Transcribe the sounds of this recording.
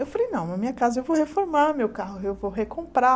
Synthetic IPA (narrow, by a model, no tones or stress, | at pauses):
ewfalejnɐ̃w̃nɐmĩɲɐkazɐewvowhefoɾmaɾmewkaɦʊewvowɦekõpɾa